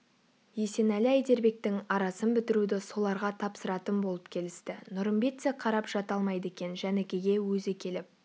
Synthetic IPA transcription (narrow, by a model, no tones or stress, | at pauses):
je̞se̞nælɪæjd̪e̞ɾbe̞k̚t̪ɪŋɑɾɑsənbɪt̪ɪɾud̪ɪso̞lˠɑɾʁɑt̪ʰɑpsəɾɑt̪ənbo̞lˠəp̚kʲʰe̞lɪst̪ɪnʊɾəmbe̞t̪seqʰɑɾɑpʒ̥ɑt̪ɑlˠmɑjd̪əe̞kʲe̞nʒænekʲe̞ɡʲe̞wɵzɪkʲʰe̞lɪp̚